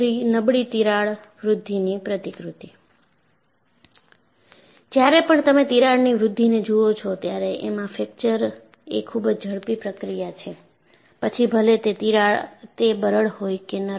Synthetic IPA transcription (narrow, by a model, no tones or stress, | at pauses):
inəbɽit̪iɾaɭ | ʋɾʊd̪ʱːinipɾət̪ikɾut̪i | d͡ʒjaɾepəɳt̪əmẽt̪iɾaɭniʋɾʊd̪ʱːined͡ʒuot͡ʃʰɔt̪jaɾeʔemãfek̚t͡ʃəɾ | ekʰːubd͡ʒd͡ʒʱəɽpipɾəkɾijat͡ʃʰe | pət͡ʃʰibʱəlet̪eiɾat̪ebəɾəɭhojkenə